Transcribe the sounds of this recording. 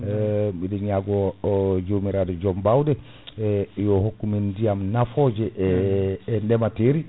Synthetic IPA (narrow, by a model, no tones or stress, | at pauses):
midɛaɡɔd͡ʒomiɾadɛd͡ʒɔmbawdɛ | jɔɦokːumindijamnafɔd͡ʒɛʔː | ndɛmateɾi